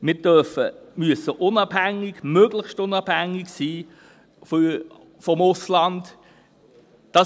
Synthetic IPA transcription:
mɪːd̥œrfəmyəsəʔʊnɑːb̥hæŋːɪɡmøɡ̥ləχʃtʊnɑːb̥hæŋːɪɡsiː | f | fɔmʊslɑnd | d̥ɑ

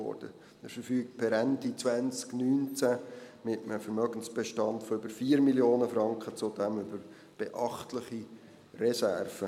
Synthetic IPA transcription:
ɔ̰ːɾd̥ə | ɛfəɾfyːk̚t̚pʰɛɾændit͡sʋænt͡sknyːnt͡sæmɪtəməfəɾmœɡ̥ən̩sb̥ɛʃtɑntfɔʏbəɾfiːɾmiljoːnəfɾɑŋkχət͡sʊdɛmʏbəɾ | b̥eʔɑχtlɪχi | rɛsærfə

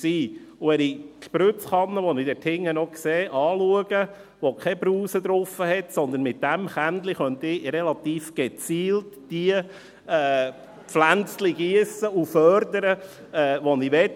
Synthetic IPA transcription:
siːʊɛɾiʃpɾʏt͡sχɑnːəʋɔnid̪ɛthɪŋːənɔkseːʔɑːluəɡ̥ə | ʋokʰɛbɾuːsəd̪ɾʊfəhɛt̪sɔnd̪ənmɪt̚d̥æmχænd̪liχœnt̪ɪɾɛlɑt̪iːfɡ̥et͡siːltd̥iə | ɛː | pflænt͡sliɡiəsəufœɾd̪əɾə | ɛːʋɔniʋɛt

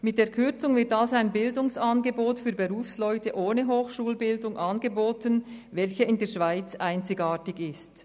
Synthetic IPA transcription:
mɪt̚d̥eːɐkʰʏɐt͡sʊŋvɪtalzoaɪnbɪldʊŋsaːnɡəboːtfyːɐbeʁuːfslɔʏtəʔoːnəɦoːxʃuːlbɪldʊŋʔɑnɡəboːtənvɛlçəɪndeːɐʃv̥aɪt͡sʔaɪnt͡sɪɡaːtɪçɪst

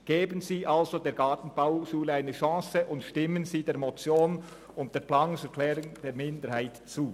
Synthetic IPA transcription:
ɡ̥eːbənziːʔalzodeːɾɡɑːtn̩b̥aʊʃuːləaɪnəʃɑ̃ːsəʔʊntʃtɪmənziːdeːɐɾmot͡sjoːn | ʊnt̚d̥eːɐplaːnsɛkʰlɛːɾʊŋd̥eːmɪndəɾhaɪtt͡suː

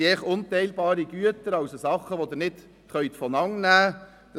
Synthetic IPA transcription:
eːχʊnt̪ɛɪlbɑːɾiɡ̥yət̪əɾɑʊsosɑχəʋod̪əɾnɪt̪ | χœʏt̪fɔnɑŋnæː | d̥

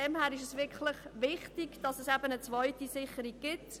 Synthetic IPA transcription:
ɛmhæːɾɪʃɛsʋɪkʰlɪχʋɪχtiɡd̥ɑsɛsæbənət͡svɔɪtisɪχəɾiɡ̚ɡ̥ɪt

